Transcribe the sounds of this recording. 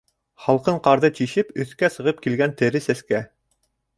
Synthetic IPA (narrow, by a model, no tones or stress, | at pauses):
χɑlˠqɤɴqɑɾðɤt͡ɕiʃɘpɵ̆θkæsɤ̆ʁɤp̚kilɡænt̪ɘ̆ɾɘsæskæ